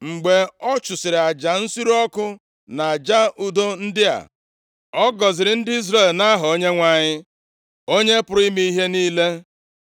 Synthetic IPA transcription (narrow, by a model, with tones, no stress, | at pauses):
ŋ͡m̩˨ɡ͡be˨ɔ˦t͡ʃʊ˨sɪ˨ɾɪ˨a˨d͡ʒa˨n̩˦si˦ɾu˦ɔ˦kʊ˦ | na˨a˨d͡ʒa˦ʔu˦do˦n̩˦dɪ˦a̰˨ | ɔ˦ɡɔ˨zɪ˨ɾɪ˨n̩˦dɪ˦i˦zɾe˦˨lna˦ɦʊ˨o˦ɲe˦ŋʷa˨ɲɪ˦ | o˦ɲe˦pʊ˨ɾʊ˦i˦mi˦i˦ɦe˦niː˦le˦